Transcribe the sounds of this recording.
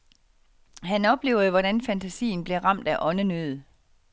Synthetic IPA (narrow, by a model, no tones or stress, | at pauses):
ɦænɒ̽b̥le̝̰ːʊɐð̞̩ˠəʋɒɾænfænt͡sʰæsḭːn̩b̥le̝ʁɑ̈m̰d̥æʔɒ̽nənøðˠə